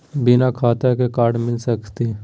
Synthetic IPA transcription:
binakʰaːt̪akekaːɾɖmɪlsəkt̪i

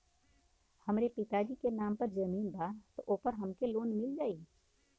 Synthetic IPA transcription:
hɐmɾepɪt̪aːd͡ʒikenaːmpɐɾd͡ʒɐmiːnbʱaːt̪oʔoːpɐɾɦɐmkeloːnmɪld͡ʒaːiː

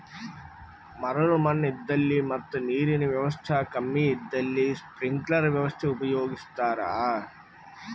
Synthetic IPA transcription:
mɐɾɐlumɐnːɐid̪ːɐlːimɐt̪ːɐniːɾiniʋjɐʋɐst̪ʰaːkɐmːiid̪ːɐlːispɾiŋɡklɐɾʋjɐʋɐst̪ʰeupɐjoːɡist̪aːɾaː

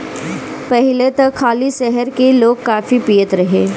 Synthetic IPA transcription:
pɐɦɪlet̪ɐkxʰaːliʃɛɦəɾkeloːɡkaːfipijət̪ɾɐɦeː

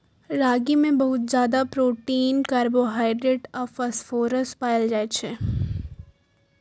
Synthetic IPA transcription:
ɾaːɡimẽbɐɦʊt̪zjaːd̪apɾoːʈiːnkɐɾboɦaːɪɖɾeʈɔfɐsfoːɾəspaːld͡ʒaːet͡ʃʰe

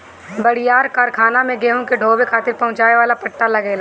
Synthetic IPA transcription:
bɐɽ̤ɪjaːɾkaːɾkʰaːnamẽɡeːɦõkeɖʱoːbekʰaːt̪ɪɾpɐɦʊ̃t͡ʃaːeʋaːlapɐʈːalɐɡeːlaː

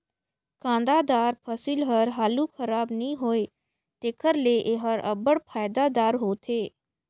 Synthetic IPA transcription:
kãːnd̪aːd̪aːɾpʰəsilɦəɾɦaːlukʰəɾaːbnĩɦoːe | t̪eːkʰəɾleʔeɦəɾə̰bəɽpʰaːjd̪ad̪aːɾɦoːt̪ʰeː

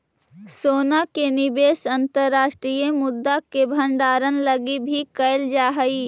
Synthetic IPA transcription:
soːnakenɪbeːsɐ̃nt̪əɾːaːʃʈɾijəmʊd̪ːakebʱɐ̃ɳɖaːɾənlɐɡibʱikɐɪld͡ʒaːɦɐiː

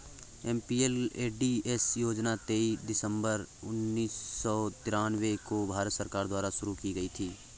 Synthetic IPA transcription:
ɛːmpiːeleːɖiesjoːd͡ʒnat̪eːid̪ɪsə̃mbəɾʊnːiːsːɔːt̪ɪɾaːnwekobʱaːɾət̪səɾkaːɾd̪waːɾaʃʊɾukiɡɐit̪ʰiː

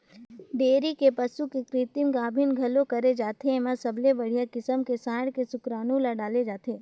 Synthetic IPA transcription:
ɖeːɾikepɐsukekɾɪːt̪ɪmɡaːbʱɪnɡʱɐlõkɐɾed͡ʒaːt̪emãsɐblebɐɽ̤ijakɪsəmkesaːɽkesʊkɾaːnulaɖaːled͡ʒaːt̪eː

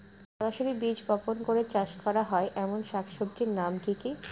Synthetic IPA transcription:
ʃɔɾaʃoɾibid͡ʑbɔponkoɾet͡ɕaʃkɔɾaɦɔeʔɛmonʃakʰʃobd͡ʑiɾnamkiki

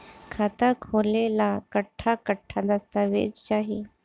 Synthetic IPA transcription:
kʰat̪akʰolelakəʈʰːakəʈʰːad̪əst̪aʋḛd͡ʒt͡ʃaɦi

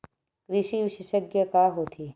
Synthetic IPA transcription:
kɾɪʃiʋɪʃɪʃəɡjəkaɦoːt̪ʰiː

